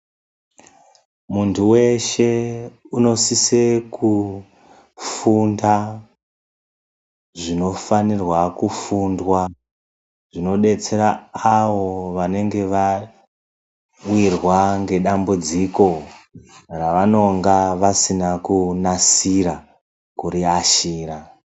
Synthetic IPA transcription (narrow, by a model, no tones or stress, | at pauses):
muntʰuwe̞ʃe̞uno̞siseku | funda | ʐino̞fanirwakufundwa | ʐino̞ɗe̞t͡se̞ɾaːʋo̞ʋane̞ŋɡe̞ʋa | wirwaŋɡe̞ɗambud͡ziko̞ | raʋano̞ŋɡaʋasinakunasiɾa | kuɾiaʃiːra